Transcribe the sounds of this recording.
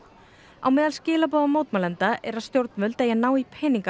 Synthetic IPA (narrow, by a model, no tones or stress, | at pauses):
a̰wmɛːðalscɪːlap̬ɔːðamoːwt̪malɛnt̪aʔɛɾaðst̪jowɾt̪mʏlt̪ajɛnaːwipʰɛːniŋka